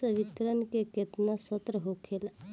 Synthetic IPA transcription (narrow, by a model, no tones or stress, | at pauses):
əʋit̪ɾənkeket̪nasət̪ɾəɦokʰel